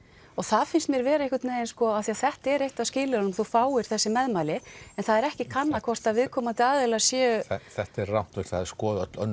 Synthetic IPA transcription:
ɔɣθaðfɪnst̪mjɛɾvɛːɾehkʏɾt̪nejðɪnskɔaθiaθɛht̪ɛɾejht̪avscɪːlɪɾanmθuwfaːwɪɾ̥θɛsːɪmɛðmajlɪɛnθaðɛɾɛhcɪkʰanːakʰvɔr̥t̪aðvɪðkʰɔːmant̪ɪaːðɛlasjɛːɛθɛht̪ɛɾrawn̥t̪veht̪aðɛɾ̥skɔːðat̪lœ̰nː

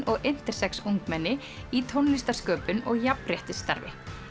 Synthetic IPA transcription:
ɔɣejn̥t̪ɛɾ̥sɛksuŋkmɛnːɪ | it̪ʰownlist̪aɾ̥skœːpʏnɔɣjaprjɛht̪ɪst̪aɾvɪ̰

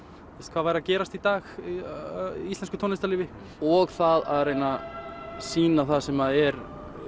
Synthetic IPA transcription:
θɪst̪kv̥aðvaːjɾacɛːɾast̪it̪aːx | ist̪lɛnskʏt̪ʰɔnɪst̪aliːvɪ | ɔɣθaða̰ðɾrejna | siːnaθaðsɛmaðɛɾ

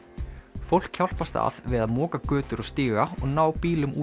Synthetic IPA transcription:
fowl̥kçawl̥past̪a̰ðvɪðaðmɔːkakœːt̪ʏɾɔɣst̪iːɣaɔɣnaːwpiːlʏmuː

